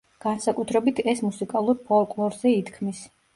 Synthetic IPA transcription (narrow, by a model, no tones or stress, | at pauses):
ɡ̥ansakʼut̪ʰɾɛbit̪ʰɛsmusikʼalˠuɾpʰɔlˠkʼlˠɔɾzɛit̪ʰkʰmis